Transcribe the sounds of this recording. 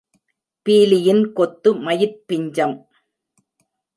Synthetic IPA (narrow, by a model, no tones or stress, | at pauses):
piːlɪjɪnkɔt̪ːɯmɐjɪɾpːɪɲd͡ʒɐm